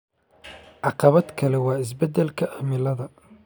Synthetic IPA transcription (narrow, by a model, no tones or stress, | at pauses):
ʕɑqɑβɐd̪kʰɐlɛwɑːɪs̬bɐd̪ɛlkʰɐʔɐmɪlɐðɐ